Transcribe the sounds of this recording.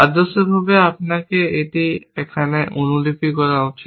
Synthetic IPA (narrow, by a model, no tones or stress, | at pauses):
ad̪oseɾbʱabeapnakeeʈiɛkʰaneʔonulipikɔɾaut͡ʃʰi